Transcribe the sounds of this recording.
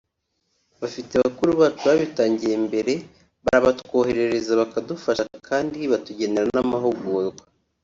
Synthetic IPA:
βafiteβakuɾuβaːt͡ʃuβaβitaːɲɟije̞mbe̞ɾe̞ | βa̰ɾaβatwoːhe̞ɾe̞ɾe̞zaβakadufaʃakʰaːndiβatuɟe̞ne̞ɾanamaɦoɡoɾɡwa

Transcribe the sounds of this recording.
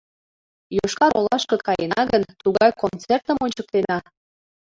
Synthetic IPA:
joʃkɑɾolɑʃkɤkɑjḛnɑɣənt̪uɣɑjkont͡sert̪əmonʲt͡ɕək̚t̪enɑ

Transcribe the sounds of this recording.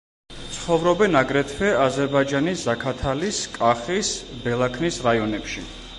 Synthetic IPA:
t̪sʰχɔvɾɔbɛnaɡɾɛt̪ʰwɛazɛɾbaid͡ʒaniszakʰat̪ʰaliskʼaχisbɛlˠakʰnisɾaiɔnɛpʃi

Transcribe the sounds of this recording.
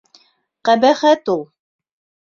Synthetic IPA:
qæbæχæt̪ulˠ

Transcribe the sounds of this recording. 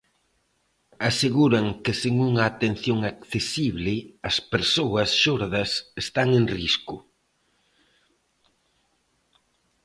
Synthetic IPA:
aseɣuɾɐŋkɪsiŋuŋɐːt̪en̟θjoŋakθesiβlɪɐspeɾsowɐsʃoɾðɐsest̪aŋeŋriskʊ

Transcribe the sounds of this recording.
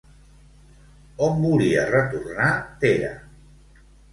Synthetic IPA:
ombuliə̰rət̪urnat̪eɾə̰

